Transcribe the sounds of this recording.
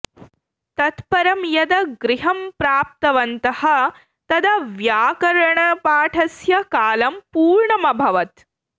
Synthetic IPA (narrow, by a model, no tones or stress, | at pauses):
t̪ɐt̪pɐɾɐmjɐd̪ɐɡɾiɦɐmpɾaːp̚t̪ɐʋɐnt̪ɐhɐ̆ | t̪ɐd̪ɐʋjaːkɐɾɐɳɐpaːʈʰɐsjɐkaːlɐmpuːɾɳɐmɐbʱɐʋɐt̪